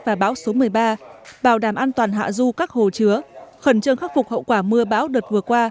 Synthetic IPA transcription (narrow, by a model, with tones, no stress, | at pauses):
vaː˨˩ɓaː˨˦wso˨˦mɨ˨˩əjɓaː˧ɓaː˧˩wɗaː˧˩mʔaː˧nt̪waː˨˩nɦa̰ː˧˨zu˧kaː˦˥k̚ho˨˩t͡ɕɨ˨˦əxə˧˩nt͡ɕə˧ŋxa˦˥t̚fʊ˨˩k͡p̚hə̰˧˨wkwaː˧˩mɨ˧əɓaː˨˦wɗɨ˨˩ək̚vɨ˨˩əkwaː˧